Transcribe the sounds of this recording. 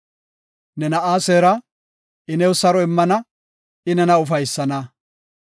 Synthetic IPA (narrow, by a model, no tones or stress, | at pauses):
nɛnɐʔaːseːɾɐ | ɪnɛwsɐɾɔɪmːɐnɐ | ɪnɛnɐʊfɐjsːɐnɐ